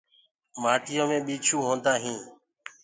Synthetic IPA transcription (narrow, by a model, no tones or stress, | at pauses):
maːʈɪjõːmẽːɓiːt͡ʃʰuːɦõːnd̪aːɦĩː